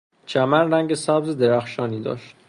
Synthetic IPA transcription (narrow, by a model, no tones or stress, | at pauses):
t͡ʃʰæmænræŋɟesæbzed̪eɾæxʃɒːniːd̪ɒ̰ːʃt̪